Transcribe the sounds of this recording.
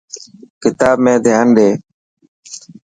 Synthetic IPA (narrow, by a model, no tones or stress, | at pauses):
kɪt̪aːbmẽːd̪ʱɪjaːnɗeː